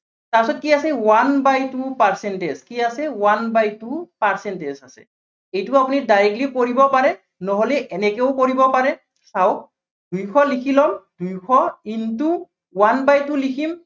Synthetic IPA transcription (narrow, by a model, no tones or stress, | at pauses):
tapisɔt̚kiasɛwanbajtupaɹsɛntezkiasɛwanbajtupaɹsɛntezasɛ̰ | ejtʊapunidajɛklikoɹibɔpaɹɛ | nɔɦolɛʔɛnɛkeʊkoɹibɔpaɹɛ | saw | dujkʰɔlikʰilɔmd̥ujkʰɔintu | wanbajtulikʰim